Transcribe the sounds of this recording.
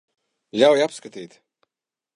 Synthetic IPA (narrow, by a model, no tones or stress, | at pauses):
lʲawjapskat̪iːt̪